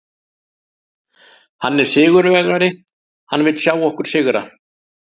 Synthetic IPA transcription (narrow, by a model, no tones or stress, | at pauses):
hanːɛɾ̥sɪːɣʏɾvɛɣɾaɾɪ | hanːvɪt̪sjaːwɔhkʏɾ̥sɪːɣʏɾa̰